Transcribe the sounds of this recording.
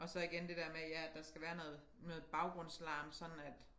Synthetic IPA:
ʔɒ̽sɒ̽iɡ̥end̥e̝d̥eɐ̰mejææd̥ɑ̈sɡ̥æʋæːɐnoːð̩ˠ | nɔ̽ːð̩ˠb̥ɑ̈ʊɡ̥ʁɔ̽n̰slɑ̰̈ːmsɒ̽nn̩æd̥

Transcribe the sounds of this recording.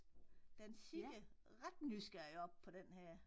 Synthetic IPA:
d̥ensiɡ̥ə | ʁɑd̥nysɡ̥æɐjɒ̽b̥̚pʰɒ̽d̥enhæɐ̰

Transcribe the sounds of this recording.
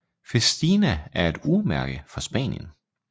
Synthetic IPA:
fesd̥iːnææɐe̝d̥umæɐɡ̥əfɒ̽sb̥ɛ̰ːnjə̰n

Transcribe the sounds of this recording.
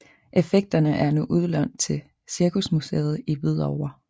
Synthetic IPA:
ʔe̝feɡ̥̚d̥ɐnəʔæɐnuʔuð̞ˠlɒn̰d̥̚t͡sʰe̝l | siɐkʰusmusḛːð̞̩ˠiʋið̞̰ˠɒʊ̰ɐ

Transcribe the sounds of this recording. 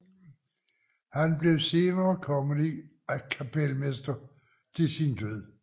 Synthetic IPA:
hænb̥le̝ʊse̝ːnɐːkʰɒ̽ŋəli | ækʰæpʰelmesd̥ɐ | t͡sʰe̝sind̥øð̰ˠ

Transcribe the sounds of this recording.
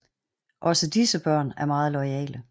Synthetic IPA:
ʔɒ̽səd̥isəb̥ɶɐ̰næɐmɑ̈ːð̞̩ˠlɒɪɛ̰ːlə

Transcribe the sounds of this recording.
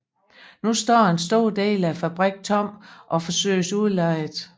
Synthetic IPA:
nusd̥ɒ̰ːe̝nsd̥o̝ɐ̰d̥e̝̰ːlæfæb̥ʁɛɡ̥̚t͡sʰɒ̽m̰ʔɒ̽fɒ̽sø̰ɪsuðˠlɑɪð̩ˠ

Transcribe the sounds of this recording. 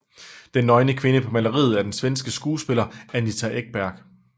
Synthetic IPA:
d̥enːɒ̽ɪnəkʰʋe̝nəpʰɒ̽mælɐʁḭːð̩ˠæɐd̥ensʋensɡ̥əsɡ̥uːsb̥e̝lɐæɐnit͡sʰæʔeɡ̥̚b̥æɐ̰ɡ̥

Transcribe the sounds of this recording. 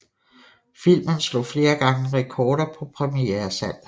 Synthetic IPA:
fil̰mənslo̽fle̝ːɐɡ̥ɑ̈ŋəʁɛkʰɒːɾɐpʰɒ̽pʰʁɛmieɐsæn̰

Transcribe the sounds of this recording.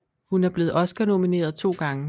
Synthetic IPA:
hunæɐb̥le̝ːð̞̩ˠʔɒ̽sɡ̥ɐno̝mine̝̰ːɐðˠt͡sʰo̝̰ːɡ̥ɑ̈ŋə

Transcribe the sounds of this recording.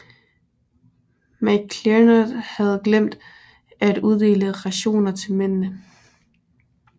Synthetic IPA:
mæ̥kʰlenəd̥hæð̞̩ˠɡ̥lem̰d̥ | æd̥uðˠd̥e̝̰ːləʁɑ̈ɕo̝̰ːnɐt͡sʰe̝lmennə

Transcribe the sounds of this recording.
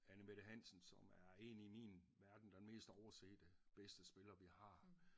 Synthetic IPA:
ænəmeɾəɦæn̰sn̩sɒ̽mæɐe̝̰ːniminʋæɐd̥n̩d̥enme̝̰ːsd̥ɒʊɐsḛːd̥əb̥esd̥əsb̥e̝lɐʋihɑ̈

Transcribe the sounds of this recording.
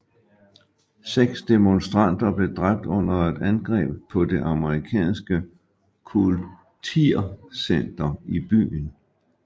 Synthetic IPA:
seɡ̥sd̥e̝monsd̥ʁɑn̰d̥ɐb̥le̝d̥ʁab̥̚d̥ɔ̽n̰ɐe̝d̥ænɡ̥ʁɛ̰ːb̥pʰːɒ̽de̝ʔɑ̈məʁikʰɛ̰ːnsɡ̥ə | kʰul | t͡sʰiɐ̰sen̰d̥ɐib̥y̰ːn

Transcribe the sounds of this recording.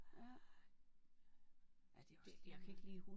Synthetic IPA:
æd̥d̥jakʰæe̝ɡ̥əliːhu

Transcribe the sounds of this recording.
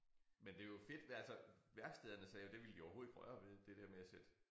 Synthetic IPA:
mend̥e̝jofe̝d̥ælsɒʋæɐɡ̥sd̥eðˠɐnəsɛːjo̝d̥e̝ʋiləd̥iɒʊho̝ðˠiɡ̥ʁɶɐʋe̝ðˠd̥e̝d̥ɛɐ̰meæsed̥

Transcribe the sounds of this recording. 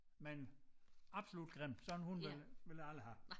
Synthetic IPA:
men | ɑ̈b̥solud̥ɡ̥ʁem̰̥sɒ̽d̥n̩hunʋelʋe̝læləɦæ

